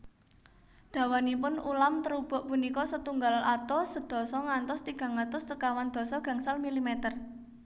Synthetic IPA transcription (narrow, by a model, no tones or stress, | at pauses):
d̪̥a̤wanipʊnulamt̪əɾub̥ɔ̤ʔpunikɔsət̪uŋɡalat̪ɔsəd̪̥ɔ̤sɔŋant̪ɔst̪iɡ̥a̤ŋat̪ɔsːəkawand̪̥ɔ̤sɔɡ̥a̤ŋsalmilimet̪ər